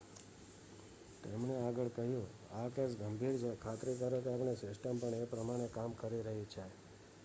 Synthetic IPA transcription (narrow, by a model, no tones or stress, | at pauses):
t̪emneaɡəɭkəɦjũ | akesɡəmbʱiɾt͡ʃʰekʰat̪ɾikəɾekeapnesɪsʈəmpəɳepɾəmaɽ̃ekamkəɾiɾəɦit͡ʃʰe